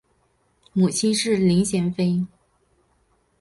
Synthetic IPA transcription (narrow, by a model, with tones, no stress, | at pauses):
mu˨˩t͡ɕʰi˥nʂɻ̩˥˩li˧˥ŋɕjɛ˧˥nfe˥ɪ